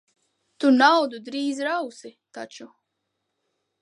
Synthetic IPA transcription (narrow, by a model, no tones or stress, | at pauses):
t̪unawd̪ud̪ɾiːzɾawsit̪at͡ʃu